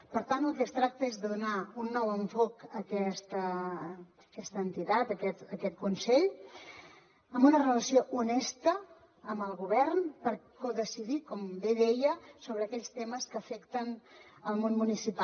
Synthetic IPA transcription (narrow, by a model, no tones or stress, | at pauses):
pəɾt̪ant̪əlˠkɛst̪ɾak̚t̪əezðəðunaunːɔwəɱfokəkɛst̪ə | əkɛst̪ənt̪it̪at̪əkɛt̪əkɛt̪̚kunsɛʎ | əmbunərələsioʔunɛst̪əː | mbəlˠɣuβ̞ɛrnpəɾkoðəsiðikɔmbeðɛjəsoβɾəːkɛʎst̪eməskəːfɛkt̪ən | əlˠmonmunisipa